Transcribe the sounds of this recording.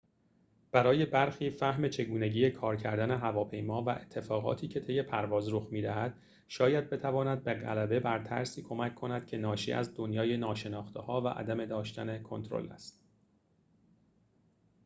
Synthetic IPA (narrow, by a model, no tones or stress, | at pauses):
b̥æɾɒːje̞bæɾxiːfæhme̞t͡ʃʰe̞ɡuːne̞ɟiːjekʰɒːɾcʰæɾd̪æne̞ɦævɒːpʰe̞jmɒːvæʔe̞t̪ʰːe̞fɒːɣɒ̰ːt̪ʰiːcʰe̞t̪ʰe̞je̞pʰæɾvɒːzɾoxmiːd̪æɦæd̪̥ | ʃɒːjæd̪̚be̞t̪ʰævɒːnæd̪̚beɣæ̰læbe̞bæɾt̪ʰæ̰ɾsiːkʰo̞mæcʰkʰːo̞næd̪̥cʰe̞nɒːʃḭʔæ̰zd̪onjɒːjenɒːʃe̞nɒːxt̪ehɒːvæ̰ʔæ̰d̪æme̞d̪ɒːʃt̪ænekʰo̞nt̪ʰɾo̰læ̰st̪